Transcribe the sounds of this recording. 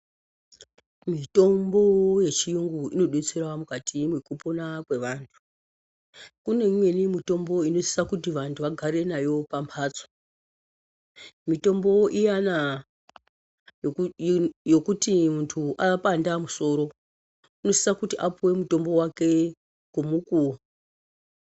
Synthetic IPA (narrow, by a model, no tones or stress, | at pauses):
mito̞mbo̞je̞t͡ʃijuŋɡuino̞ɗet͡seɾwamukatimwekuponakwe̞ʋaːntʰu̥ | kune̞mwe̞nimito̞mbo̞ino̞si̥sakutiʋantʰuʋaɡʱaɾe̞najo̞pampʰaːt͡sḁ | mito̞mbo̞ʔijana | jo̞kutimuntʰuʔapandamuso̞ɾo̞ | uno̞si̥sakutiʔapuwe̞muto̞mbo̞wake̞ | kumuku